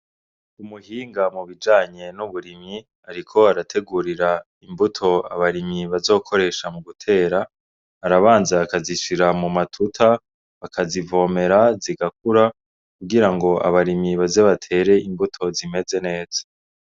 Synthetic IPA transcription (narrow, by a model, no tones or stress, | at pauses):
umuhiːŋɡamuβid͡ʒaːɲe̞nuβuɾimɲi | aɾikʰo̞aɾatʰe̞ɡuɾiɾa | imbutʰo̞a̰βaɾimɲiβazo̞ːkʰo̞ɾe̞ːʃamuɡutʰe̞ːɾaː | ɾaβaːnzaːkaziʃiɾamumatʰutʰa | akʰazivo̞ːme̞ɾaziɡakuɾa | kuɡiɾaŋɡo̞a̰βaɾimiβazeβatʰe̞ːɾe̞imbutʰo̞zime̞ze̞ne̞ːz̥ḁ